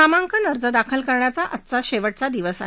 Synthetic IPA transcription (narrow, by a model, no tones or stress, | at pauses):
amaŋkʰənəɾd͡zəd̪akʰəlkəɾɳjat͡saʔət̪ːt͡saɕeʋəʈ̚t͡sad̪iʋəsa̰ɦe